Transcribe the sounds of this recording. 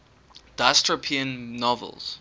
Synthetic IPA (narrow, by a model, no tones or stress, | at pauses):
d̥astɹəpʰiə̃nːɔvə̰lˠz̥